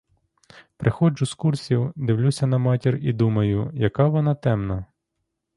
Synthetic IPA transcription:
pɾʔɪxɔd͡ʒʊskursʲiwd̪ɪwlʲusʲɐnɐmɑtʲirid̪umɐjʊjɐkɑʋɔnɑt̪ɛmnɐ

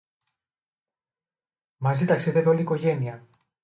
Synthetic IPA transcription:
mɐzit̪ɐksiðeðoliːko̞ʝe̞niɐ

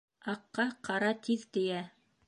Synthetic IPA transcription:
ɑqːɑqɑɾɑt̪ʰiðt̪ijæ

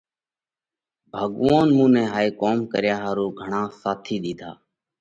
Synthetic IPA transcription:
bʱəɠʋaːnmũːnɛ̃ːɦaːiːkoːmkəɾjaːɦaːɾuːɡʱəɳãːsaːt̪ʰiːɗ̪iːd̪ʱa̰ː

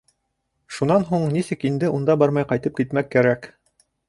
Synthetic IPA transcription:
ʃunɑnɦuɴnisɘkind̪ɘʔund̪ɑbɑɾmɑjqɑjt̪ɤp̚kit̪mækːæɾæk

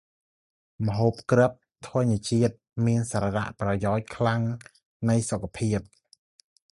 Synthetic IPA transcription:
məɦoːp̚krəp̚t̪ʰŏəɲiət͡ɕiət̪̚miənsaːɾara̰ʔprɑjaɔc̚kʰlaŋ | nɨjsokʰapʰiəp̚

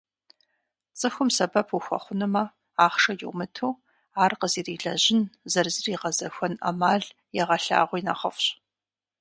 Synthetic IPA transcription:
t͡sʼɨxʷʊmsɐbɐpʰuxʷɐ̰χʷʊnɨmɐ | aːχʂɐjʊwmɨtʰuː | aːrqəziːriːɮɐʑɪnzɐrzɨriːqɐzɐxʷɔnɐ̰maːɮ | jɛʁɐɬa̰ːʁʷiːnɐ̰χɐfɕ

